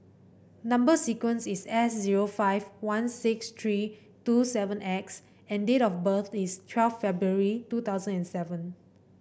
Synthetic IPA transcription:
nãmbəsikwə̃nsisɛsziɹofaɪvwãnsɪkst̪ʰɹi | tusɛvə̃nʔɛks | ɛ̃ndetɔfbəθistʰwɛlffɛbɹuəɹitut̪aʊzə̃nɛ̃nsɛvə̃n

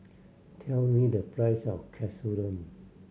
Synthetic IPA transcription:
tʰɛlmidəpʰɹajsɔ̰fkʰɛsuɾə̃m

